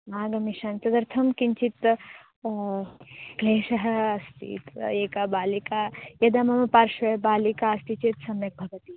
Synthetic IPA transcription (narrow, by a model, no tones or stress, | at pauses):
maːɡɐmiʃɐnt̪ɐd̪ɐɾt̪ʰɐmkint͡ʃit̪ | ɡleːʃɐɦɐ̆ɐst̪ʰḭːt̪eːkabaːlikaːjɐd̪ɐmɐmɐpaːɾʃʋɐɦɐbaːlikaːɐst̪it͡ʃet̪sɐmjɐk̚bʱɐɡɐt̪i